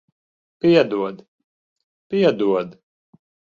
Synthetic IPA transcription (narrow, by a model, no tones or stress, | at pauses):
piɛd̪uɔd̪ | piɛd̪uɔd̪